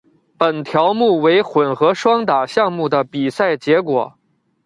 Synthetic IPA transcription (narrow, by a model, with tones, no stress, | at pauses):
pə˨˩nt̪ʰjɑ˧˥ʊmu˥˩we˧˥ɪxwə˨˩nxɤ˧˥ʂwɑ˥ŋt̪a˨˩ɕjɑ˥˧ŋmu˥˩d̪ə˩pi˨˩sa˥˩ɪt͡ɕjɛ˧˥kwɔ̰˨˩˦